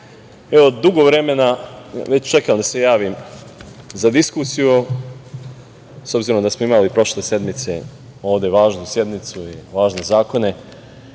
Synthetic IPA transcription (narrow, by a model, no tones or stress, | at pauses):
eod̪uɡoʋɾe̞me̞naʋe̞t͡ɕt͡ʃe̞kamd̪ase̞jaːʋim | zad̪iskusiju | so̞bziɾo̞md̪asmoimalipɾo̞ʃle̞se̞d̪mit̪se̞̰ | o̞ːʋd̪e̞ʋaːʒnusje̞d̪mit̪suiʋaːʒne̞zaːko̞ne̞